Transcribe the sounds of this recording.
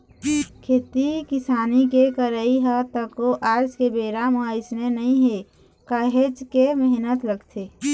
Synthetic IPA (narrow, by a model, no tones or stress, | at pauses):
kʰeːt̪ikɪsaːnikekəɾəiɦət̪əkoʔaːɾd͡ʒkebeːɾaməɪsnenəɦĩɦe | kaːɦed͡ʒkemɪɦnət̪ləɡt̪ʰeː